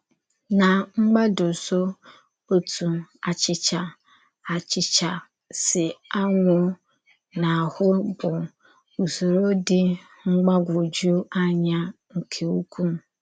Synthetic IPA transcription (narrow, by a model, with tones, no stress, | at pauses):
na˨ŋ͡m̩˦ɡ͡ba˦dʊ˨so˦ | o˦tu˨a˨t͡ʃɪ˨t͡ʃa˨ | a˨t͡ʃɪ˨t͡ʃa˨ | sɪ˨a˦ŋʷʊ˦ | na˨hʊ˦bʊ˨ | u˨so˨ɾo˦dɪ˦ | ŋ͡m̩˦ɡ͡ba˦ɡʷʊ˨d͡ʒu˦a˦ɲa˦ | ŋ̩˨kʰe˨u˦kʷu˦m̩˨